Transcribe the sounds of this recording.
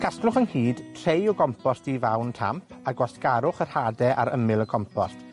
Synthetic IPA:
kʰasklʊχənhiːd̥tʰr̥ejɔɡɔmpʰɔstivawntʰa̰mpʰaɡwasɡ̥aɾʊχər̥hadɛʔa̰ɾəmɪlˠəkʰɔmpʰɔst

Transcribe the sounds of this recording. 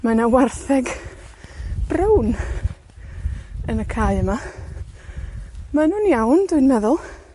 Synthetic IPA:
manawarθɛɡ | b̥rəwn | ənəkʰaːɨəma | manuːnjawndʊɨnɛðʊlˠ

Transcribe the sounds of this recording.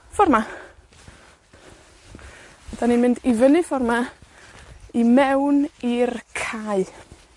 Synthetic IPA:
fɔrma | ɛdaninmɪndivənɨfɔrma | imɛwnirkʰaɨ

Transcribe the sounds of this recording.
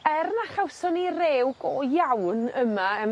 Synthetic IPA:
ɛrnaχawsɔnireːwɡɔjawnəmaəm

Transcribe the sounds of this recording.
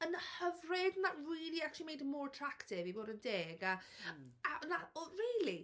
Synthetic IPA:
ənəhəvrɪdnaʔwidiakimejdmɔɹtʰr̥aktʰɪviboːdəndeːɡa | anariːlˠi

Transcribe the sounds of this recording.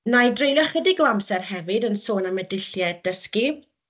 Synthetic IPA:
najdrejljɔχədiɡlˠamsɛrhɛvɪdənsoːnamədɪɬjɛdəski

